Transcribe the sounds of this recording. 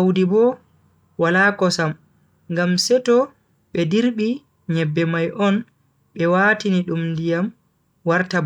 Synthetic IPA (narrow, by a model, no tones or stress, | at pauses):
awdibɔ | walakɔsam | ŋɡamsɛtɔ | ɓɛdiɾɓi | ɲɛbːɛmajʔɔn | ɓɛwaːtiniɗumndijam | waɾtab